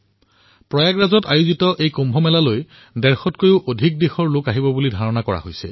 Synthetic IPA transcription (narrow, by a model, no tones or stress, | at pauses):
pɹɔjaɡɹazɔtajuzitɔʔejkombʱɔmɛlaloj | dɛɹxɔtkojʊʔodʱik̚dexɔɹlʊkaɦibɔbulidʱaɹɔnakɔɹa̰ɦojsɛ̰